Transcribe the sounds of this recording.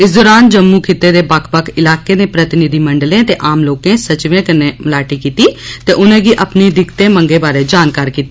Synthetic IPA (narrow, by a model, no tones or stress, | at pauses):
ɪsd̪ʊːɾaːnd͡ʒəmːũːkʰɪt̪ːeːd̪eːbəkʰpəkʰɪlaːkeːnẽːpɾət̪ɪnɪd̪ʱiːməɳɖlẽːt̪eːʔaːmloːkẽːsət͡ʃʋẽːkənːeːməlaːʈiːkiːt̪iːt̪eːʔʊnẽːɡiːʔəpniːd̪ɪkt̪ẽːmə̃ŋɡeːbaːɾeːd͡ʒaːnkaːɾkiːt̪ːi